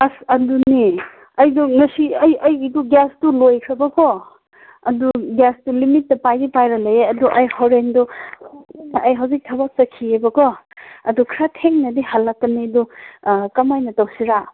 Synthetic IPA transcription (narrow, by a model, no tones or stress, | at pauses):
ɐsɐduni | ɐjduŋɐsiɐjɐjduɡastulojkʰɾɐbɐkɔ | ɐduɡastulimitːɐpajdipajɾɐlɐjeɐduʔɐjhoɾendɔ | ɐjɦɐwzik̚tʰɐbak̚t͡ʃɐkʰiebɐkɔ | ɐdukʰɾatʰeŋnɐdihalːakːɐnidukɐmajnɐtɐwsiɾa